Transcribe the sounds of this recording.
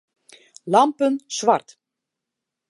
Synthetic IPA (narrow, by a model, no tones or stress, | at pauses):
lɑmpənsʋart